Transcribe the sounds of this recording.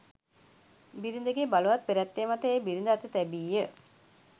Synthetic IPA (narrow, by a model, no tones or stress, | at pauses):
biɾind̪əɡebaluʋat̪̚peɾæt̪ːeːmat̪əeːbiɾind̪əat̪ət̪ɛbiːjə